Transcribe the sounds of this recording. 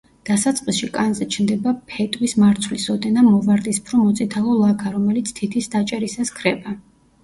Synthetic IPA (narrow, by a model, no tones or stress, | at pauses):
d̪̥asat̪sʼqʼisʃikʼanzɛt͡ʃʰnd̪ɛbapʰɛt̪ʼwismaɾt̪sʰvlisɔd̪ɛnamɔvaɾd̪ispʰɾɔmɔt̪sʼit̪ʰalˠɔlˠakʰaɾɔmɛlit̪sʰt̪ʰit̪ʰisd̪at͡ʃʼɛɾisaskʰɾɛba